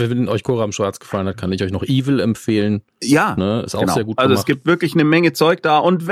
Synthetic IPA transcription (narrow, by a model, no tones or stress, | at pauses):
vɛvɛnʔɔʏçkʰoːʁaamʃv̥aɐt͡sɡ̥ə̥falənhat̚kʰanɪçɔʏçnɔχʔiːvl̩ɛmfeːlən | jaːnəɪ̰staʊna̰ʊeːɐɡuːtalzoɛsɡiːp̚tv̥ɪɐklɪçnəmɛŋət͡sɔʏk̚d̥aːʔʊntv